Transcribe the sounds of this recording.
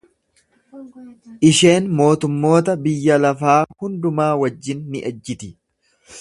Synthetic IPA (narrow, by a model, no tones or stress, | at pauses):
ʔɪʃe̞ːnmo̞ːt̪ʊmːo̞ːt̪ɐbɪjːɐlɐfaːhʊnd̪ʊmaːwɐd͡ʒːɪnːɪʔɐd͡ʒːɪt̪ɪ